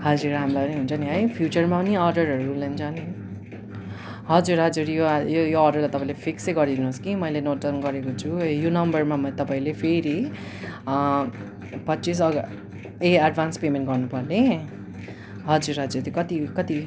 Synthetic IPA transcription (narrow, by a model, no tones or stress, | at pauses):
hʌd͡zuɾamlapʌniɦunt͡sʰʌniɦʌjpʰjut͡sʌrmapʌniʌɾɖʌɾɦʌɾulʌunt͡sʰʌni | ɦʌd͡zuɾɦʌd͡zuɾjojojoːrɖʌrlajt̪ʌpãĩlepʰiksejɡʌɾd̪inuɦoskimʌjlenoʈʌnɡʌɾekot͡sʰujonʌmbʌrmamʌt̪ʌpaĩlepʰeɾi | pʌtːsis̬ʌɡ | eaɖbʱanspemenʈɡʌrnupʌrne | ɦʌd͡zuɾɦʌd͡zuɾt̪ikʌt̪ikʌt̪i